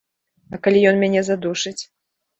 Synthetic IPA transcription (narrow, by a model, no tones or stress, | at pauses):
ɐkalʲijɔnmʲanʲɛzad̪uʂɨt͡sʲ